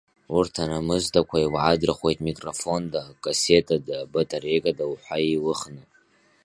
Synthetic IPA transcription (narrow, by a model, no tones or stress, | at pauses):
urtʰanamɨzdakʷʰaiwʕadrχwe̞jtʼmikʼrofo̞ndakʼasetʼadabatʼarekʼadawħʷaiwʊχnɨtʼ